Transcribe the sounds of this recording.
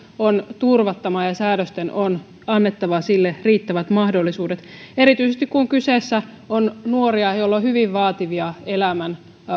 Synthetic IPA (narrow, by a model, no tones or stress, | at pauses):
ont̪urʋɑt̪ːɑmɑjɑsæːdøst̪enon | ɑnːet̪ːɑʋɑsilːeriːt̪ːæʋæt̪mɑhdolːisuːdet̪e̞ɾit̪yisest̪ikkuŋkysesːæ | onnuoɾiɑjolːohyʋiʋʋɑːt̪iʋiɑelæmæn